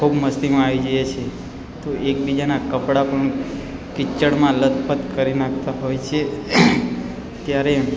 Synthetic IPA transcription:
kʰubməst̪imãaʋid͡ʒəjet͡ʃʰe | t̪oʔek̚bid͡ʒanakəpɽapəɳkɪt͡ʃːəɽmãlət̪pət̪kəɾinak̚ʰt̪aɦojt͡ʃʰe | t̪jaɾe

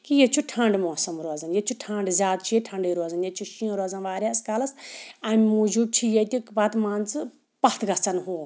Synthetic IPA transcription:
kijet͡ʃʰuʈʰãːɳɖmɔ̃ːsɐmɾoːd͡zɐnjet͡ʃʰuʈʰãːɳɖzʲaːd̪̚t͡ʃʰieʈʰãɳɖəjɾoːd͡zɐnjet͡ʃʰuʃijõɾoːd͡zɐnʋaːɾjaskaːlɐsamʲimud͡ʒub̚t͡ʃʰijet̪ʲikbaːt̪mãːnt͡sɨ | pɐht̪ʰɡɐst͡sɐnɦoː

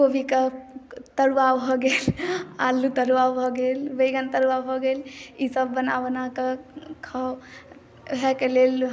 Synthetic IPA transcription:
kobʱiket̪əɾʋabʱɔɡelalːut̪əɾʋawbʱɔɡelʋəjɡənt̪əɾʋabʱɔɡelisəbːənaʋnakekʰaw | ɦɛkelel

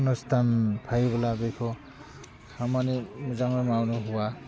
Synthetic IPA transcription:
nɔstʰanpʰajβalabejkʰɔ | kʰamanimuzaŋɾemawnɔɦuwa

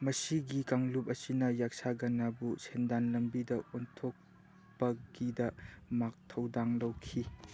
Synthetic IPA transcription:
mɐsiɡikaŋlup̚ɐsinɐjak̚saɡɐnabusʰendanlɐmbidɐontʰok̚ | pɐɡ̥idɐmak̚tʰɐwdaŋlɐwkʰi

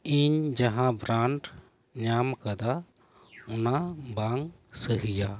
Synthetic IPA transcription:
iɲd͡ʒaɦãbɾaɳʈ | ɲamkad̪a | unabaŋ | səɦija

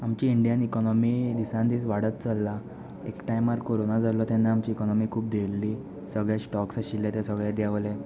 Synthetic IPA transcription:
amt͡ɕiiɳɖijanikɔnɔmid̪isãnd̪isʋaɽət̪t͡salːa | ekʈajmaɾkoɾonad͡zalɔt̪anːaamt͡ɕiːkɔnɔmikʰuːp̚d̪ʱelːi | səɡɭjasʈɔksaɕilːat̪asəɡɭjad̪jaʋle

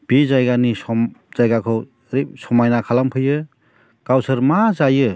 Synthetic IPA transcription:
b̥izajɡanisɔmz̥ajɡakʰɯw | ɾisɔmajnakʰalampʰɯjɯ | kawsɯɾmazajɯ

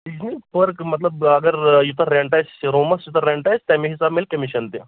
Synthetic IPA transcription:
d̪isnifəɾkmɐt̪ləbɐɡəɾjut̪ʰəɾːeɳʈajsɾoməsjut̪ʰəɾeɳʈajst̪amiɦisabmelkəmiɕənt̪e

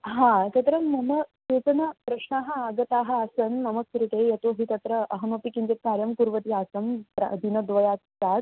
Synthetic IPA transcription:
ɦãt̪ɐt̪ɾɐnɐnɐseːt͡sɐnɐpɾɐɕɳaːɦɐaɡɐt̪aːɦɐ̆asɐnːɐmɐk̚sɾit̪ejɐt̪oːɦit̪ɐt̪ɾɐɐɦɐmɐpikind͡ʒet̪̚kaːɾjɐmkuɾʋɐt̪iaːsɐmpɾɐ̰d̪ʱinɐd̪ʋɐjaːt̪t͡saːt̪

